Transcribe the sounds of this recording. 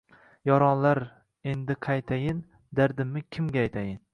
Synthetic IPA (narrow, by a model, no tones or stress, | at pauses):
jɒɾɒnlaɾ | e̞nd̪ɪqʰɑjt̪ʰajɪn | d̪aɾd̪ɪmːɪkʲʰɪmɡʲajt̪ʰajɪn